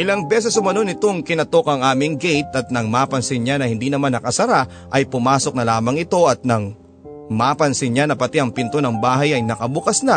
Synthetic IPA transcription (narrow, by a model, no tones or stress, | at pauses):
ʔɪlɐŋbɛːs̬ɛsʊmɐno̞nɪt̪o̞ŋkɪnɐt̪o̞kɐŋʔaːmɪŋɡɛjt̪ɐt̪̚nɐŋmaːpɐnsɪnɲanɐhɪnd̪inɐmanːɐkɐsɐɾa | ʔɐjpʊmaːso̞k̚nɐlaːmɐŋɪt̪o̞ʔɐt̪̚nɐŋ | mapɐnsɪnɲanɐpɐt̪iɐŋpɪnt̪o̞nɐŋbaːɦɐjɐjnɐkɐbʊkɐsna